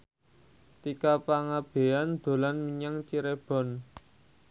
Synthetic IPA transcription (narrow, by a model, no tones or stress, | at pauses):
t̪ikapaŋab̥e̤and̪̥o̤lanmiɲaŋt͡ʃiɾeb̥ɔ̤n